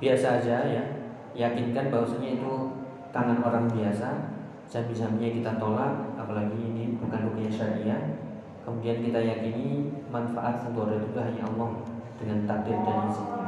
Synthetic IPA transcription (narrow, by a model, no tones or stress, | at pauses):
b̥iasaːd͡ʒaja | jakɪnkanbaɦwasaɲait̪u | t̪aŋanoɾaŋbiasa | zabizamaɲakit̪at̪olat̪̚apalaɡiːnibukandukiaʃaɾaʔija | kəmudiankit̪ajakinimanfa̰ʔat̪̚sŋt̪uaɾadud̪aɦaɲa̰ʔɔmɔŋd̥əŋant̪ak̚dɪrd͡ʒ̪anansi